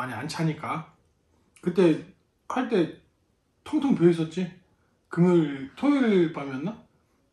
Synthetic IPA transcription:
aɲiant͡ɕʰaɲik͈a | kɯt͈e̞ | kʰaɭt͈e̞ | tʰoŋtʰoŋpjois̬͈ʌt̚t͡ɕ͈i | kɯmɯɭtʰoɭɭpamjʌnːa

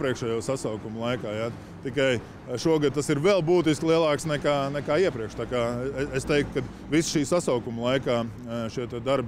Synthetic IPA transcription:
pɾiɛkʃɛːjuɔsasaʊkumlˠajkaːja | t̪ikaj | ʃuɔɡad̪̚t̪asiɾvɛlˠbuːt̪̬iskʲlˠiɛlˠɑːksnɛkaːnɛkaːiɛpɾiɛkʃt̪aːkaːeest̪ɛjk̚t̪̚kad̪ | visʃiːsasaʊkumlˠajkaː | ʃiɛt̪ɛd̪aɾb

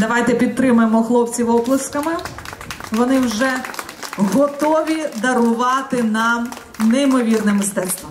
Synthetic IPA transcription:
d̪ɐʋɑjt̪ɛpʲit̪̚t̪ːɾɪmʊjemɔxlˠɔpt͡sʲiʋɔblˠɐskɐmɪ | ʋɔnɪwʒɛ | ɦɔt̪ɔʋʲid̪ɐɾʊʋɑt̪ɪnɑm | nɛjmɔʋʲirnɪmːɪst̪ɛst̪ʋɔ

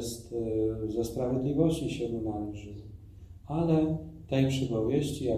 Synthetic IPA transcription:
st̪zɛspɾavʲjed̪lʲivɔɕt͡ɕiɕɛd̪unalʐɨ | alɛt̪ɛjpʂɛpɔvʲjeɕt͡ɕija

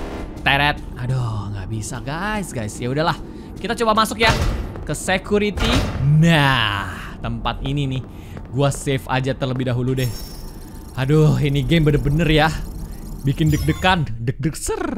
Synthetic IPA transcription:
t̪eɾɛt̪̚adohŋɡa̰ʔbisaɡajsɡajsjaudahlah | kit̪at͡ʃobamasʊkjakəsekuɾit̪ina | t̪əmpat̪ininɪh | ɡuasefa̰d͡ʒat̪ərləbɪhdaɦuludɛh | adoɦiniɡembənərbənərja | bikɪndək̚dəkandək̚dək̚sər

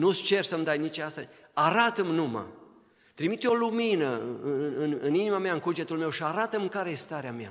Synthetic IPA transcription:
nust͡ʃe̞rsəmd̪ajnit͡ʃast̪a | aɾat̪əmnuma̰ | t̪ɾimit̪oluminəɨnɨnɨninimamaɨŋkud͡ʒe̞t̪ulme̞wʃiaɾat̪əmkaɾe̞je̞st̪aɾeamja̰

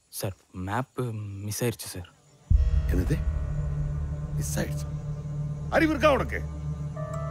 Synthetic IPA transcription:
sɐr | maːpːmisaːjɾit͡ɕːu̥sɐr | enːɐt̪e | misaːjiɾit͡ɕːu̥ | ɐɾiʋirk̬aːʋoɳokːḛ

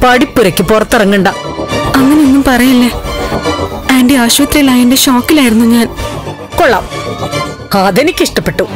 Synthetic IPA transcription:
pɐɽipːuɾɐkʲːɨpurɐt̪ːirɐŋːuɳɖaː | ɐŋːɐneinːumpɐrɐjilːe | aːnɖiaːɕʋɐt̪riɐlaːjinde̞ɕo̞ːkːilaːjiɾunːuɲaːn | koɭːa̰ːm | ɐðenikʲːiʂʈɐpːe̞ʈːu

